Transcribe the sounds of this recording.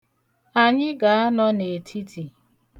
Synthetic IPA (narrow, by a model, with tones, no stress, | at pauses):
a˨ɲɪ˦ɡa˨a˦nɔ˦ne˨tʰi˦tʰi˨